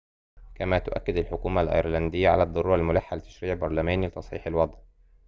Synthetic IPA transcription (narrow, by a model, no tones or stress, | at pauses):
kæmæːt̪ʊʔæ̰kːɪd̪alħokuːmalʔɑ̰ɾlɑnd̪ɪjːaʕa̰læd̪ˤːɑɾuːɾalmʊlaħːalɪt̪æ̥ʃɾiːʕbɑɾˤlæmæːnilɪt̪ɑsˤħḭːħɪlwɑd̪ˤʕ